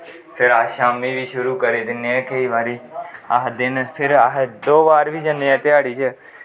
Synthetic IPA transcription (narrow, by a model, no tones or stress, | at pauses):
pʰɪɾaːʃaːmiːʋiːʃʊɾuːkəɾeːd̪ɪnːeɛ̃ːkəiːʋaːɾiːəɦd̪ɪnpʰɪɾɦd̪oːbaːɾʋiːd͡ʒəneːɛ̃ːt̪ɪaːɽiːt͡ʃə